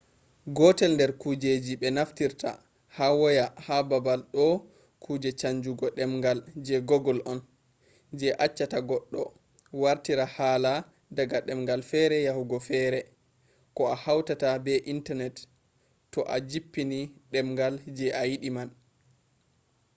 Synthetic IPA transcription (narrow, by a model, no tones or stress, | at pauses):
ɡɔtɛlndɛɾkud͡ʒed͡ʒiɓɛnaftiɾta̰ | hawɔjahababalɗɔ | kʰuːd͡ʒɛt͡ʃaɲd͡ʒuɡɔɗɛmŋɡald͡ʒɛɡɔɡɔlʔɔn | d͡ʒɛʔat͡ʃːataɡɔɗːɔ̰ | waɾtiɾahaːla | daɡaɗɛmɡalfɛɾɛjahuɡɔfɛɾɛ | kɔahawtatabɛʔintaɾnɛt | tːɔʔa̰d͡ʒipːiniɗɛmŋɡald͡ʒɛʔajiɗiman